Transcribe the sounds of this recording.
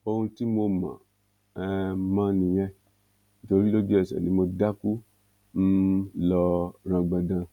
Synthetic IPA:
o˧hũ˧ti˦mo˧mã̰˨ | ɛ˧mã˦nĩ˧j̃ɛ̃˧ | ni˦to˧ɾi˦lo˦d͡ʒu˦ɛ˦˨sɛ̰˨nĩ˨˦mo˧da˦ku˦ | lɔ˧ɾ̃ã˧ɡ͡bã˧dã˧

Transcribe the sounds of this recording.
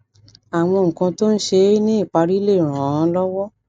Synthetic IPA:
a˨w̃ɔ̃˧ŋ̩̃˨kã˧to˦n̩˦ʃe˧˦nĩ˦i˦˨k͡pa˧ɾi˦le˦˨ɾ̃ã˨ã˧˦lɔ˦wɔ˦

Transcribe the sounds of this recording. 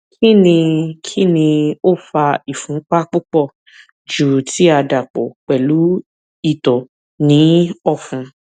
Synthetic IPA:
kʰi˦nĩ˧kʰi˦nĩ˧o˦˨fa˧i˨fũ˨˦k͡pa˦k͡pu˦k͡pɔ˦˨ | d͡ʒu˨ti˨˦a˧da˨k͡po̰˨k͡pɛ˨lu˨˦ | i˦˨tɔ˨ | nĩ˨˦ɔ˦˨fũ˧

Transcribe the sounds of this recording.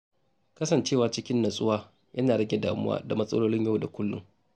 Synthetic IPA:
kɐ˦sɐ˨nt͡ʃeː˦˨waː˨t͡ʃɪ˦kʲɪ˦nːɐ˨sʼʊ˦waː˦ | jʔɐ˦naː˨ɽɐ˦ɡʲe˨daː˨mʊ̰˦wa̰ː˦da˨mɐ˦sʼɐ̰˦loː˦lɪ˦ɲjɐ˦wda˨kʷʊ˦lːʊ̰˦ŋ

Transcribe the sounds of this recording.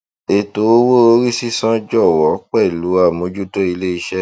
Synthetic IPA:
e˨to˨˦o˦wo˦o˦ɾi˦si˦sã˦d͡ʒɔ˦˨wɔ˨˦k͡pɛ˦˨lu˨˦a˦˨mõ˨˦d͡ʒu˦to˦i˧le˦i˧ʃɛ˦

